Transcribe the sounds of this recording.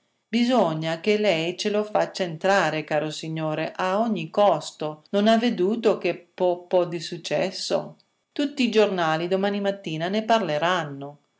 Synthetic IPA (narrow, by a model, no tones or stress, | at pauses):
bizɔɲːakelɛjt͡ʃelofat͡ʃːaent̪ɾaːɾekaːɾosiɲːoːɾeʔaɔɲːikɔst̪ononavːed̪uːt̪okepɔpːɔd̪isut͡ʃːɛ̰sːo̰ | t̪ut̪ːiːd͡ʒornaːlid̪omaːnimat̪ːiːnaneparleɾanːo